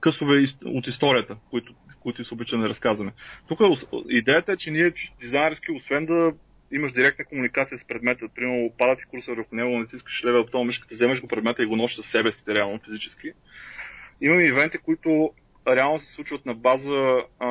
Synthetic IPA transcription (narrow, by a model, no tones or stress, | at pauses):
kɤsʊvɛio̰t̪ist̪ɔɾijət̪əkoit̪ʊkoit̪ʊisobit͡ʃɛnnɛɾɐskazvɐmɛt̪ukəoid̪ɛjət̪əɛt͡ʃɛniɛt͡ʃu̥st̪ʊd̪izajnʲɛɾsk̟iosvɛnd̪ɐ | iməʃd̪iɾɛk̚t̪nəkomunikat̪sijəspɾɛd̪mɛt̪əpɾimɛɾnʊpad̪ət̪i̥kuɾsəvəɾxʊnɛɡoɡnɛt̪iskə̥ʃlɛvɛp̚t̪ɔmmiʃkə̥t̪əzɛmɐʒɡopɾɛd̪mɛt̪əiɡonɔʃzɐsɛbɛsi̥t̪ɛɾɛalˠnofizit͡ʃɛ̥sk̟i | imɐmɛːvɛnt̪ikoit̪ʊ | ɾɛalˠnʊsɛ̥slˠut͡ʃvət̪nɐbazə